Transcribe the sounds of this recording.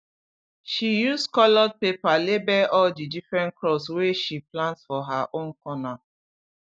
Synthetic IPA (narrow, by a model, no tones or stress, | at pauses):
ʃijuskɔlɔd̚pepalebɛʔɔldidifɹɛ̃nklɔsweʃiplãntsfɔɦaʔõnkɔna